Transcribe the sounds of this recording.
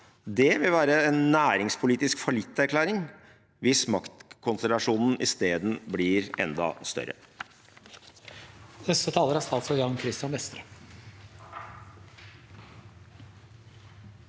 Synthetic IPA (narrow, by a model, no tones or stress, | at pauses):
d̪ɛʋɪlʋæːɾəɛnːæːɾɪŋspʰʊliːt̪ɪskfɔɭɪt̪ːæɾkʰlæːɾɪŋ | ʋɪsmɑkt̪kʰɔnst̪əlɑʂuːnn̩ʔɪst̪eːd̪n̩blɪːɾɛ̰nd̪ɑ̰st̪œ̰ɾə̰ | nɛsət̪ʰɑːləɾæst̪ɑlsɔjɑmkʰɾɪst̪ɪɑnʋɛst̪əɾə